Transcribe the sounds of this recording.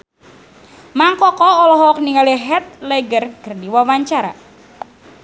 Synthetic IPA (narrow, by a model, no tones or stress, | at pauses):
maŋkɔkɔːlɔɦɔk̚niŋaliɦɛt̪̚lɛɡərkərdiwawaɲt͡ʃaɾa̰